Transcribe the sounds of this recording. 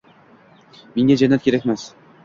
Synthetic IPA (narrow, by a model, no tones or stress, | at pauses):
meŋɡʲæd͡ʒanːat̪kʲeɾækʲmæs